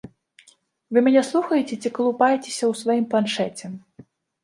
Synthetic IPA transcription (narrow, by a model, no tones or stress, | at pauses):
vɨmʲanʲɛslˠuxɐjet͡sʲɛt͡sʲikɐlˠupajet͡sʲe̥sʲɐwsvajimplˠanʂɛt͡sʲɛ